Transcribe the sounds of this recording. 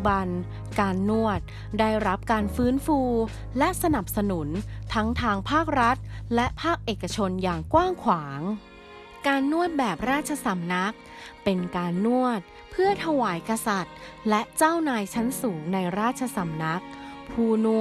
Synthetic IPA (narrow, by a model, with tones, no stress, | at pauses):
ba˧n | kaː˧nːu˥˩ət̪̚ | daː˥˩jɾa˦˥p̚kaː˧nfɯː˦˥nfuː˧ | lɛ˦˥ʔsa˧na˨˩p̚sa˧nu˩˦nt̪ʰa˦˥ŋt̪ʰaː˧ŋpʰaː˥˩k̚ɾa˦˥t̪̚lɛ˦˥ʔpʰaː˥˩k̚ʔeː˨˩kːa˧t͡ɕʰo˧njaː˨˩ŋkwaː˥˩ŋkʰwaː˩˦ŋ | kaː˧nːu˥˩ət̪̚bɛː˨˩p̚ɾaː˥˩t̪̚t͡ɕʰa˧sa˨˩˦mna˦˥k̚ | pe˧nkaː˧nːu˥˩ət̪̚ | pʰɯ˥˩ɐt̪ʰa˧waː˩˦jka˧sa˨˩t̪̚ | lɛ˦˥ʔt͡ɕaː˥˩wnaː˧jt͡ɕʰa˦˥nsuː˩˦ŋna˧jɾaː˥˩t̪̚t͡ɕʰa˧sa˨˩˦mna˦˥k̚pʰuː˧nu˧˥